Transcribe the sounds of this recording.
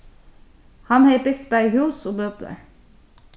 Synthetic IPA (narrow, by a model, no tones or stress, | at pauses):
hɑnheɪbʏkt̪bæɪhʉːsoːbøːplə̰ɹ